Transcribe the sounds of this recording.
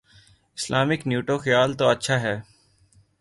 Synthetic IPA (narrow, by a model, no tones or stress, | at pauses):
ɪslʔaːmɪknjuːʈoːxəjaːlt̪oːɐtːʃʰaːɦɛː